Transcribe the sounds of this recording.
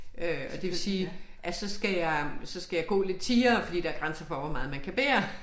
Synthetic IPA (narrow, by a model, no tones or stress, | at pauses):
øɒ̽d̥e̝ʋe̝lsiːʔæsɒ̽sɡ̥æjɑ̈sɒ̽sɡ̥æjɑ̈ɪɡ̥ɔ̰̽ːle̝d̥t͡sʰiːɐːfɒd̥ḭːd̥ɑ̈æɐɡ̥ʁansɐfɒʋɒmɑ̈ːð̩ˠmænkʰæb̥ḛːɐ